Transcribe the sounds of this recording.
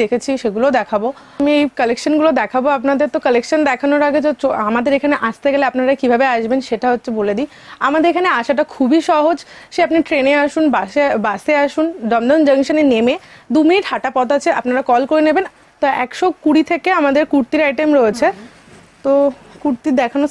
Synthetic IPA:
ekʰet͡ɕʰiʃeɡulod̪ɛkʰabo | miejkəlekʃonɡulod̪ɛkʰaboapnad̪eɾt̪okəlekʃond̪ɛkʰanoɾaɡed͡ʑet͡ɕoamad̪eɾekʰaneʔaʃt̪eɡeleapnaɾakibʱabeaʃbenʃeʈaɦotːɕʰeboled̪i | amad̪eɾekʰaneaʃaʈakʰubiʃɔɦod͡ʑ | ʃeapniʈɾeneaʃunbaebaseaʃunɖɔmd̪ɔnd͡ʑəŋʃanenemed̪uminiʈɦaʈapɔt̪at͡ɕʰeapnaɾakɔlkoɾeneben | t̪oɛkʃokuɽit̪ʰekeamad̪eɾkuɾt̪iɾajʈemɾoet͡ɕʰe | t̪okuɾt̪id̪ɛkʰano

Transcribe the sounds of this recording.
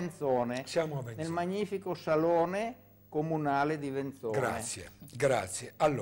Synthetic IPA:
nt̪sɔːnesjaːmavɛnnelmaɲːiːfikosalɔːne | komunaːled̪ivent̪sɔɡːɾa̰esːjḛɡɾa̰t̪sjealː

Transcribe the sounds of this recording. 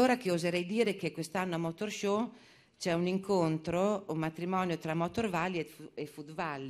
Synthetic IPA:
oːɾakeozeɾɛjd̪iːɾekekwest̪anːoamːot̪orʃo | t͡ʃɛuniŋkont̪ɾoumːat̪ɾimɔːnjot̪ɾamɔt̪orvalːieefud̪valːi

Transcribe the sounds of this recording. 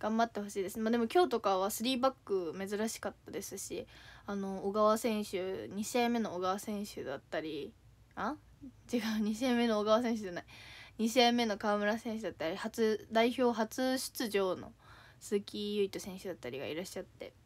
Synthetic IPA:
ɡ̥ãmbat̪ːe̞ho̞ɕiːd̪esɨnmaːd̪e̞mo̞kʲo̞ːt̪o̞kaβ̞asɨɾʲiːbakːɯ̟me̞zɨɾaɕi̥kat̪ːad̪e̞sɨɕḭano̞ːɡaβasẽ̞ɰ̃ɕɨɲ̟iɕiamːe̞no̞ːɡaβasẽ̞ɰ̃ɕɨ̰d̪at̪ːaɾʲi | a | t͡ɕiɡaɯɲ̟iɕiẽmːe̞no̞ːɡaβas̬ẽ̞ɰ̃ɕ̬ɨʑanaiɲ̟iɕ̬iemːe̞no̞kaːmɯ̟ɾasẽ̞ɰ̃ɕ̬ɨd̪at̪ːaɾʲihat͡sɨd̪aiço̞ːɦat͡sɨɕɨ̥t͡sɨʑo̞ːno̞̰ | sɨːkʲijɯ̟it̪osẽ̞ɰ̃ɕɨd̪at̪ːaɾʲiɡa̰ḭɾaɕːat̪ːe̞̰

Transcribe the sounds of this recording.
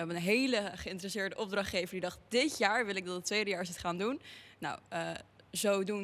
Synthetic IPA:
ɛbəənɦejləχəɪntərəsɪːɹdəʔɔb̚drɑχtejvəndidɑχt̚dɪtjaːɹʋɪlˠɪɡ̚dɑtətʋejdəjaːɹsɪtχaːndunna̰wəzowdun

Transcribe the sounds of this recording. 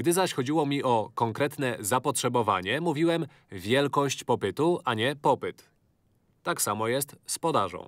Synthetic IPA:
ɡd̪ɘzaɕxɔd͡ʑiwɔmʲiʔɔkɔŋkɾɛt̪nɛzapɔtʂɛbɔva̰ɲɛmuvʲiwɛm | vʲjɛlkɔɕt͡ɕpɔpɘt̪uʔaɲɛpɔpɘt̪ː | aksamɔjɛst̪spɔd̪aʐɔ̰̃w̃

